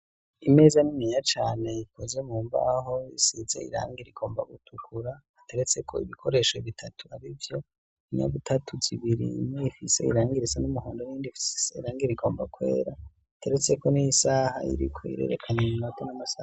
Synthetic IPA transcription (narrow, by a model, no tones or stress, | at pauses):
ime̞ːzanimijat͡ʃaːne̞jikoze̞muːɱva̰ho̞isizḛḭɾa̰ːŋɡiɾiɡo̞ːmba̰ɡutʰukʰuɾa | ate̞ɾet͡se̞kʰo̞ḭβikʰo̞ɾe̞ʃoiβitʰatuaɾivjo̞ | iɲa̰ɡutʰatʰuziβiɾḭmweifise̞̰ḭɾaːŋɡiɾit͡sanumuhoːndojiːndifi̥sseiɾaːŋɡiɾiɡo̞ːmbakwe̞̰ːɾa | atʰe̞ɾet͡se̞ko̞nijisaːha̰ḭɾikʰoḭɾe̞̰ːɾḛkʰaɲemumatʰonamasa